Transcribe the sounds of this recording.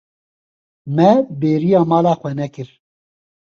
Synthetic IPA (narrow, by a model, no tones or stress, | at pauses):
mɛbeːɾijaːmɑːlaːxʷɛnɛkɨɾ